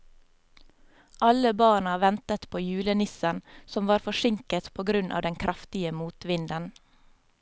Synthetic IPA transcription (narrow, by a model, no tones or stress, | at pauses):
ʔɑləbɑːɳɑʋɛnt̪ət̪pʰoːjʉːlənɪsənsɔmʋɑːɾfɔʃɪŋkət̪pʰoːɡɾʉnʔɑ̰ːʋd̪ɛŋkʰɾʔɑft̪ɪəmuːt̪ʋɪnd̪ən